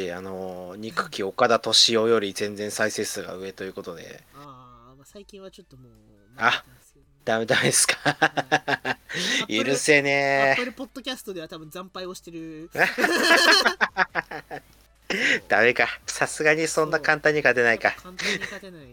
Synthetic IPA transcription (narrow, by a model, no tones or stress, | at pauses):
iano̞ɲ̟ikɯ̟̥kʲio̞kad̪at̪o̞ɕio̞jo̞ɾʲizẽ̞nd͡zẽ̞ɰ̃saise̞ːsɨɡa̰ɯ̟e̞t̪o̞jɯ̟ko̞t̪o̞d̪e̞̰ | masaikʲĩβat͡ɕot̪ːomo | a | d̪̥ame̞d̪amed̪esɨ̥kḁ | iɾɯ̟seneoɾepod̪ːokʲasɨ̥t̪od̪e̞at̪abɯ̟̃nd͡zãmpaioɕi̥t̪eɾɯ̟a | d̪̥ame̞kasasɨɡaɲ̟isõ̞nːakãnt̪ãɲ̟ːikat̪e̞naikaɲeai